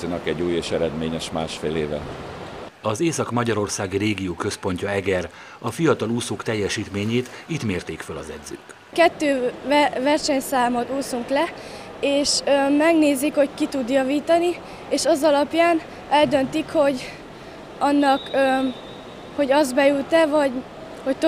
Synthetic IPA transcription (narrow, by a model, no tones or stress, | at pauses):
inɒkɛɟːuːjeːʃɛɾɛd̪meːɲɛʃma̰ːʃfeːleːvɛ̰ | ɒzeːsɒkmɒɟɒɾo̞rsaːɡireːɡijoːkø̞spo̞ɲcɒɛɡɛr | ɒfijɒt̪ɒluːsoːkt̪ɛjːɛʃiːt̪meːɲeːt̪it̪meːrt̪eːkfølɒzɛd̪zø̰ːk | kɛt̪ːøːvɛrʃɛɲsaːmot̪uːsuŋklɛ | eːʃømɛɡneːzikho̞ckit̪ud̪jɒviːt̪ɒni | eːʃɒzɒlɒpjaːn | ɛld̪ø̞nt̪ikho̞ɟ | ɒnːɒkø | ho̞ɟɒzbɛjut̪ɛvɒɟ | ho̞c̚t̪